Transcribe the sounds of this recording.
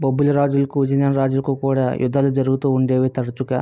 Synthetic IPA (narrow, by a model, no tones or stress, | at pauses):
bɐbulɐɾaːd͡ʒulɐkuʋid͡ʒinaːnɾaːd͡ʒulɐkukuːɽa̰ːjʔṵd̪ʱːɐlud͡ʒɐɾuɡut̪uːuɳɖeːʋeːt̪ɐɾɐt͡ʃukɐ̰